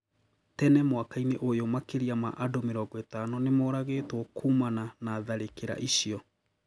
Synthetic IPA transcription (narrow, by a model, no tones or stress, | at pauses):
tɛnɛmwakaineʔojomakeɾiama̰ʔadomeɾɔːɡɔetanɔnemoːɾaɣeːtwɔkʰumananaːðaɾekeɾa̰ʔiɕiɔ